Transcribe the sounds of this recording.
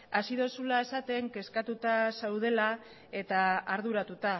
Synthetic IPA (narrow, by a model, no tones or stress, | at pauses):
asiðosulae̞sat̪e̞ŋke̞skat̪ut̪asawð̞e̞la | e̞t̪aːɾðuɾat̪ut̪a